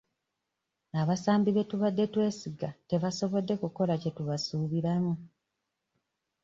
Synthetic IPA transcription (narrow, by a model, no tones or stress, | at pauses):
aβasaːmbiβe̞tuβadːe̞twe̞ːsiɡate̞βaso̞βo̞dːe̞kuko̞lace̞tuβasuːβiɾamu